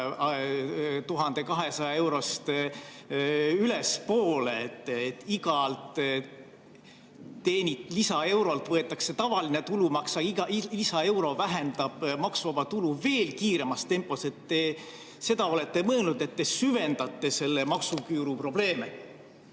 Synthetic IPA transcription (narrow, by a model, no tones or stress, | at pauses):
t̪uɦɑnd̪̥e̞kɑɦe̞sɑjɑe̞wɾo̞st̪ | yle̞spo̞ːleet̪ːˑet̪ːiɡɑlt̪ | t̪e̞ːnʲit̪lisɑe̞wɾolt̪vɤe̞t̪ːˑɑkse̞t̪ɑvɑline̞t̪ulumɑksɑiɑlisɑe̞wɾo̞væɦend̪̥ɑb̥mɑksɑvɑt̪uluve̞ːlkiːɾe̞mɑst̪e̞mpːˑo̞se̞t̪ːe | se̞d̪̥ɑo̞le̞t̪ːe̞mɤelnud̪̥e̞t̪ːe̞syve̞nd̪̥ɑt̪ːˑe̞se̞lːe̞mɑksukyːɾupro̞b̥le̞ːme